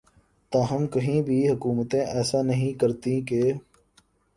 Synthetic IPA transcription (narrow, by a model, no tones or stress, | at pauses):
t̪ãːɦəmkəɦĩːbʱiːɦʊkuːmət̪ẽːʔɛːsaːnəɦĩːkəɾt̪ĩːkeː